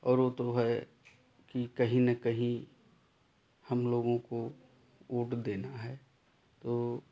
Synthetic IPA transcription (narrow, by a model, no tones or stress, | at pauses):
ɔːɾʋoːt̪oɦɛ | kikɐɦĩnɐkɐɦĩ | hɐmloːɡõko | uːʈʰd̪eːnaɦɛː | t̪oː